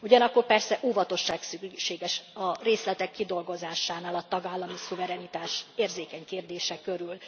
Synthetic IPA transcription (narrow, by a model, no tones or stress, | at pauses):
uɟɒnɒkːo̞rpɛrsɛʔuːvɒt̪o̞ʃːaːksykʃeːɡɛʃɒreːslɛt̪ɛkːid̪o̞lɡo̞zaːʃaːnaːlɒt̪ɒɡaːlːɒmisuvɛɾɛnit̪aːʃeːrzeːkɛɲkeːrd̪eːʃɛkøɾyl